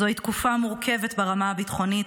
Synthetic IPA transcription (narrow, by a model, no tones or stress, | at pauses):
oit̪kufamuʁkʰe̞vetbeʁamaabitχo̞nit